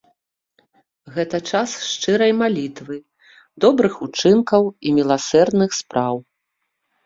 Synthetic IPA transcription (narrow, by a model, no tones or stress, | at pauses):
ɣɛt̪ɐt͡ʂasʂt͡ʂɨɾɐjmalʲit̪vɨ | d̪ɔbɾɨxut͡ʂɨnkɐwimʲilˠasɛrd̪nɨxspɾaw